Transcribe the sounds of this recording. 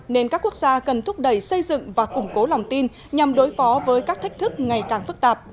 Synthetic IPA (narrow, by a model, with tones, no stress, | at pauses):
ne˧nkaː˦˥kːu˦˥ək̚zaː˧kə˨˩nt̪ʰʊ˦˥p̚ɗə˨˩jsə˧jzɨ̰˧˨ŋvaː˨˩kʊ˨˩ŋ͡mko˨˦la˨˩wŋ͡mt̪i˧n | ɲa˨˩mɗo˨˦jfɔ˨˦vəː˨˦jkaː˦˥k̚t̪a˦˥jk̚t̪ʰɨ˦˥k̚ŋa˨˩jkaː˨˩ŋfɨ˦˥k̚t̪aː˨˩p̚